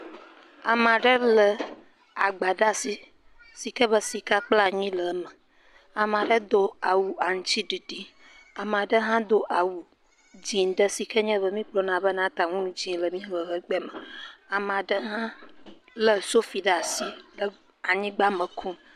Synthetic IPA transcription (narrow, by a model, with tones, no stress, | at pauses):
a˨mã˨ɖə˦lə˨ | a˨ɡ͡ba˨ɖa˦˨si˨ | si˨kə˦bə˦si˨ka˦k͡pla˦ɲĩ˦lə˨˦mə˨ | a˨mã˨ɖə˦d̪o˦a˨wu˨a˨ŋũ˦t͡ɕi˦ɖi˨ɖi˦ | a˨m˨a˨ɖə˦ɦã˦d̪o˦ʔa˨wu˨ | d͡ʑĩ˨nɖə˦si˨kə˦ɲɛ̃˦βə˦mĩ˦k͡plɔ˨nã˨bə˦nã˦t̪a˨ŋũ˦nũ˦d͡ʑĩ˨˦lə˨mĩ˦˨ə˨ɦə˦ɡ͡bɛ˦mə̃˨a˨m˨a˨ɖə˦ɦã˦ | lə˨so˦fi˨ɖa˦˨si˦lə˨ | a˨ɲĩ˦ɡ͡ba˦mə̃˨kʰũ˦